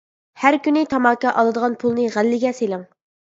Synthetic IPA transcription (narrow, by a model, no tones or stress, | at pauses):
hæɾkʲynɪt̪ʰɑmɑːkɑʔɑlˠɨd̪əʁɑnpʰulˠnɨʁælːɪɡʲɛselɪŋ